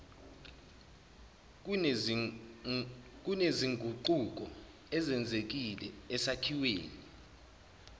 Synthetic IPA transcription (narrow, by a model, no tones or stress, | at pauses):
k̬uneziŋɡʱuǃuk̬ɔ | ɛzɛnd͡zʱek̬ilɛ̰ːsakʰiweːni